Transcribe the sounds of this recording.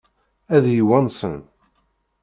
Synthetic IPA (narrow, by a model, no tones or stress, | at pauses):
æðjiwænsə̰n